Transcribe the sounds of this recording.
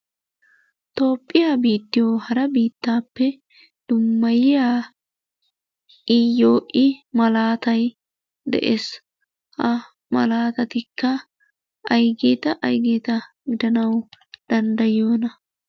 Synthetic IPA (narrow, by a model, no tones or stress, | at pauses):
t̪o̞ːpʼːɪjaːbiːt̪ːɪjoːhɐɾɐbiːt̪ːaːpːɛ | d̪̥ʊmːɐjɪjaː | ɪjo̞ːʔɪmɐlaːt̪ɐj | d̪ɛ̰ʔḛːs | hɐ | mɐ̰laːt̪ɐt̪ɪkːɐ | ɐjɡeːt̪ɐʔɐjɡeːt̪ɐ | ɡɪd̪ɐnɐwd̪̥ɐnd̪ɐjo̞ːnɐ